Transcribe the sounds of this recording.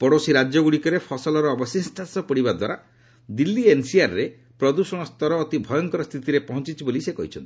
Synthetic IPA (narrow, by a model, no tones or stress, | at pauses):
pɔɽosiɾad͡ʒɔɡuɽikɔɾepʰɔsɔlɔɾɔːbɔsinsʈansɔpɔɽibad̪wa̰ɾa | d̪ilːiensiaɾɾe | pɾɔd̪usɔɽ̃ɔst̪ɔɾɔːt̪ibʱɔjɔŋkɔɾɔst̪ʰit̪iɾepɔɦɔ̃nt͡ʃit͡ʃʰibolisekɔɦit͡ʃʰɔ̰nt̪i